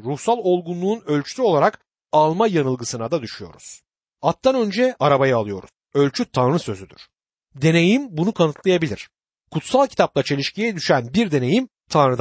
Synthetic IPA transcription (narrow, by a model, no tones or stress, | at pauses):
ɾuhsalˠo̞lˠɡunlˠuːnø̞lʲt͡ʃʰy̥syo̞lˠaɾak | alˠmajanɯlˠɡɯsɯnad̪ad̪yʃyjo̞̰ɾuz̥ | at̪ʰːanø̞nd͡ʒɛaɾabajaalˠɯjo̞ɾu̥ | ø̞lʲt͡ʃʰyt̪ʰanɾɯsø̞zyd̪y̰ɾ̥ | d̪e̞nejimbunukʰanɯt̪lˠajabilʲiɾ̥ | kʰut̪salˠcʰi̥t̪ʰap̚lˠat͡ʃʰe̞lʲiʃcijɛd̪yʃænbiɾd̪e̞ne̞jim | t̪ʰanɾɯd̪